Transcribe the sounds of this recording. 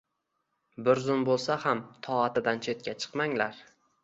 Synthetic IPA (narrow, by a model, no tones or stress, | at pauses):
bʊɾzʊnbolˠsahamt̪ʰɒat̪ɪd̪ant͡ʃʰe̞t̪̚kʲat͡ʃʰɨ̥qmaŋlaɾ